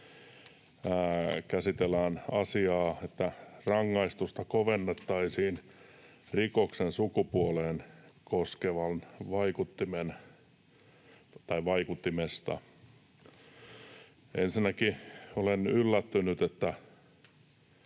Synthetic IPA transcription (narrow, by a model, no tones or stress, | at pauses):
æːkæsit̪elːˑæːnɑsiɑːet̪ːærɑŋːɑist̪ust̪ɑkoʋenːet̪ːɑisiːn | rikoksensukupuoleːnkoskeʋɑnʋɑikut̪ːimen | t̪ɑiʋɑikut̪ːimest̪ɑ̰ | ensinːˑækiolenylːæt̪ːynyt̪et̪ːæ